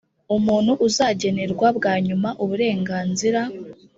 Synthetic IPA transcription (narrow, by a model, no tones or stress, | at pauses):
umuːnhuʔuzaːɟe̞ne̞ɾɡwabɡaːɲumaʔuβuɾe̞ːŋɡaːnziɾa